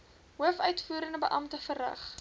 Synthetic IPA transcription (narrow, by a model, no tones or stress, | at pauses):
ɦuəfœɥtfuːɾəndəbəʔɐmtəfərrɐ̰χ